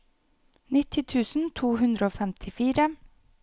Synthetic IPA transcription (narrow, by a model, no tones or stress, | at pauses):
nɪt̪ʰɪt̪ʰʉːsn̩t̪ʰuːɦʉnd̪ɾəoːfɛmt̪ʰɪfiːɾə